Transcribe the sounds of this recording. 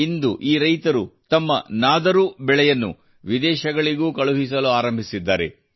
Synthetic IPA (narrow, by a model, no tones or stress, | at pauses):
ind̪uʔiːɾɐjt̪ɐɾut̪ɐmːɐnaːd̪ɐɾubɛɭɛjɐnːṵ | ʋid̪ɛːʃɐɡɐɭiɡuːkɐɭuɦis̬ɐluaːɾɐmbʱisid̪ːaːɾe̞̰